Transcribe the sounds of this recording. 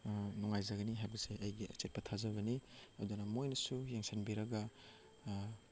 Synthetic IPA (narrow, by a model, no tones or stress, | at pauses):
nuŋajzɐɡɐniɦajbɐseʔɐjɡiɐ̰t͡ʃet̚pɐtʰazɐβɐniɐ̰dunɐmojnɐsujeŋsʰenbiɾɐɡɐ